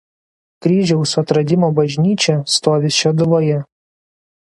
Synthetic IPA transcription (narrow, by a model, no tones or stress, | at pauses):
kɾʲiːʒʲɛʊsɐt̪ɾɐd̪ʲɪmoːbɐʒʲnʲiːt͡ʃʲɛst̪oːʋʲɪsʃʲɛd̪ʊʋoːjɛ